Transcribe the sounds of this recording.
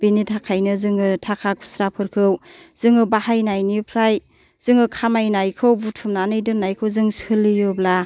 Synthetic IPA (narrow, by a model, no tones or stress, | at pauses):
binitʰakʰajnɯzɯŋɯtʰakʰakʰu̥sɾapʰɯɾkʰɯw | z̥ɯŋɯbahajnajnipʰɾaj | z̥ɯŋɯkʰamajnajkʰɯwbutʰumnanɯjdɯnajkʰɯwzɯŋsɯlijɯbla